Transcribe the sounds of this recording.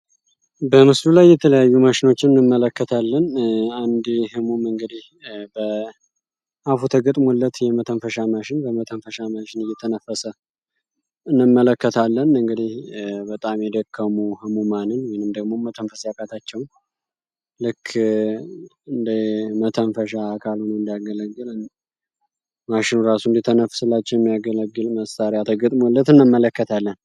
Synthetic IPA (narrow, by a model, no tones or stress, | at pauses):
bəmɨslulajːɛt̪ʰələjajːuməʃɪno̞t͡ʃːɪmɨnːɨmːələkːət̪ʰalːənand̪hɨmumɨŋɡɨd̪ih | bə | ʔafut̪ʰəɡət̪ʼmolːət̪jɛmət̪ʰənfəʃamaʃɪnbəmət̪ʰənfəʃamaʃɪnɨjːɛt̪ʰənəfəsə | ɨnːɨmːələkːət̪ʰalːənɨŋɡɨd̪ihbət̪ʼamjɛd̪əkʰːəmuhəmumanɨnwɔjiɪnɨmd̪əɡmo̞mət̪ʰənfəsakʼat̪ʰat͡ʃːɛwn | lɨkʰː | ɨnd̪əmət̪ʰənfəʃakʰalhonəwɨnd̪jaɡələɡːɨlɨn | maʃɪnuɾasuɨnd̪it̪ʰənəfsɨlːat͡ʃːɛwjɛmːijaɡələɡːɨlməsaɾijat̪ʰəɡət̪ʼmolːət̪ɨnːɨmːələkːət̪ʰalːən